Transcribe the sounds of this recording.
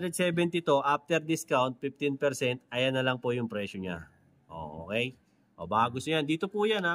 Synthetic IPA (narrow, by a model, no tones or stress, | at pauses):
d̪ɾɛd̪̚sɛːbɛnt̪ɪt̪oʔap̚t̪ɛɾd̪ɪskawnt̪̚fɪf̚t̪ɪnpɛɾsɛnt̪̚ɐjanːɐlɐŋpojʊŋpɾɛːʃoɲa̰ | ʔo̰ːʔo̰ːkɛj | ʔobaːɐɡʊsʊjand̪iːt̪opujana